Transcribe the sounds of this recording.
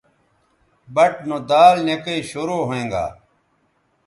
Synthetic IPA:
bɐʈ̚nod̪aːlnekɐiɕuɾoːɦoẽːŋɡa̰ː

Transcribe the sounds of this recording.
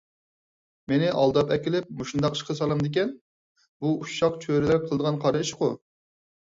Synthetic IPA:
menɪʔɑlˠd̪ɑpɛkʲilɪp̚muʃund̪ɑqi̥ʃqʰəsɑlˠɑmd̪ɪk̬ʲɛn | buuʃɑqt͡ʃʰøɾɪlæɾ̚qʰəlˠd̪əʁɑnqʰɑɾʃqʊ

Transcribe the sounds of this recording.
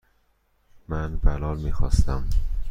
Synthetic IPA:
mænbælɒːlmiːxɒ̰ːst̪æm

